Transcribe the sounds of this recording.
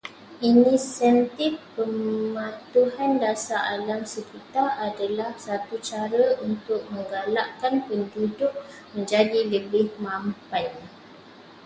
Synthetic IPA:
inĩsɛnt̪ɪfpəmãt̪uɦandasaʔalamsəkit̪aradalahsat̪ut͡ʃaɾəunt̪ʊk̚mə̃ŋɡalaʔkanpəndudʊʔ | mə̃ɲd͡ʒadiləbɪhmãmpan

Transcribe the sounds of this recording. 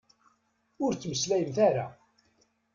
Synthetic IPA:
ʊɾt͡sːməslæjəmθæɾa̰

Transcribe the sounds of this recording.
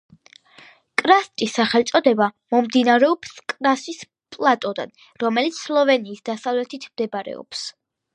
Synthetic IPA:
kʼɾast̪ʼisːaχɛlˠt̪sʼɔd̪ɛbamɔmd̪inaɾɛɔpskʼɾasis | pʼlˠat̪ʼɔd̪a̰n | ɾɔmɛlit̪sʰslˠɔvɛniːsd̪asavlɛt̪ʰit̪ʰmd̪ɛbaɾɛ̰ɔ̰ps

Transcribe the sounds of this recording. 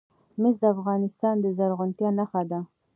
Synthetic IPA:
mɪsd̪əafɣɑnɪst̪ɑnd̪əzaɾɣʊnt̪jɑnaxad̪a

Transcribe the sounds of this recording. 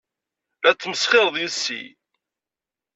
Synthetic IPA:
æt͡sːməsχɪɾˤðˤjəsːḭ

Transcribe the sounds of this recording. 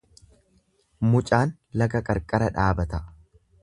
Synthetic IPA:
mʊt͡ʃʼaːn | lɐɡɐkʼɐɾkʼɐɾɐᶑaːbɐt̪ɐ

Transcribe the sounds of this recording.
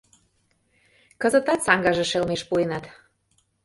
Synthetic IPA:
kə̆zə̆t̪ɑt̪sɑŋɡɑʒĕʃelmeʃpuenɑt̪

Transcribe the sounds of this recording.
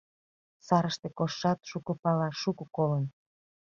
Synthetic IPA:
sɑɾəʃt̪ekoʃːɑt̪ʃukəpɑlɑʃukokolən

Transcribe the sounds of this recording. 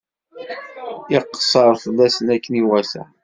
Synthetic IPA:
ɪqːsˤəɾˤθəlːæsənækːəniwæsæ̰

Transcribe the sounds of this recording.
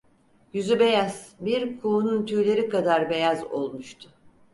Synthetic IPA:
jyzybe̞jaz̥biɾkʰuːnunt̪ʰyːlʲe̞ɾikad̪aɾbe̞jazo̞̰lˠmuʃt̪ʰʊ̥

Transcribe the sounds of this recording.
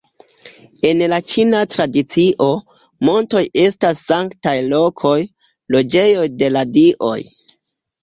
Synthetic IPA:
e̞nlat͡ʃinatɾadit͡siʔo̞ | mo̞nto̞je̞stasːaŋktajlo̞kʰo̞j | lo̞d͡ʒe̞jo̞jde̞ladiʔo̞̰j

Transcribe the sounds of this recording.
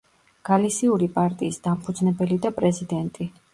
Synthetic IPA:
ɡ̥alisiuɾipʼaɾt̪ʼiːsd̪ampʰud̪znɛbɛlid̪apʼɾɛzid̪ɛnt̪ʼi

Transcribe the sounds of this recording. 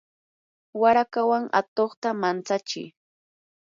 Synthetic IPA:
waɾakawaŋa̰t̪oχt̪amant͡sat͡ʃɪ̰j

